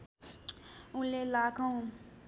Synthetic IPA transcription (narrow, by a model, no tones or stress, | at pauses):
ũlelakã